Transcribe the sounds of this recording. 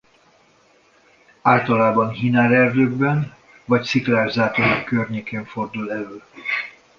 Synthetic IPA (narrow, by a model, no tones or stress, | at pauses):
aːlt̪ɒlaːbɒnɦinaːɾɛrd̪øːɡbɛn | vɒcsiklaːʒzaːt̪onɔkːørɲeːkeːɱfo̞rd̪ulɛløːl